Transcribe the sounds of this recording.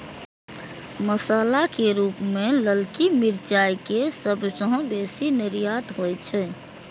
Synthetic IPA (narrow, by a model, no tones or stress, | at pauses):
məsalakeɾupmeləlkimiɾt͡ʃajkesəbsəɦõbesiniɾijat̪ɦojt͡ʃʰɛ